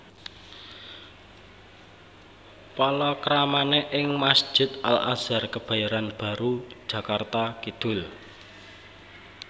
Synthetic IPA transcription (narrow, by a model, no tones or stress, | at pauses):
pɔlɔkɾamaneʔɪŋmasd̥d͡ʒ̥ʒ̥ɪ̤t̪̚a̰la̰z̥arkəb̥a̤jaɾanb̥a̤ɾu̥ʒ̥a̤kart̪akid̪̥ʊ̤l